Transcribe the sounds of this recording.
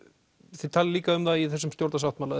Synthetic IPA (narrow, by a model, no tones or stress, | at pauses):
θet̪ʰalɪliːkaʏmθaiθɛsːʏmt̪jowɾt̪as̬awht̪maːla